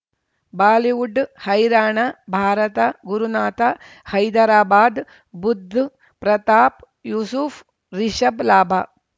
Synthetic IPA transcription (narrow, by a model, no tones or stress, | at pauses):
baːliʋuɖhɐjɾaːɳɐbʱaːɾɐt̪ɐɡuɾunaːt̪a | hɐjd̪ɐɾaːbaːd̪ | bud̪ʱː | pɾɐt̪aːp | juːsuf | ɾiʃɐblaːbʱaː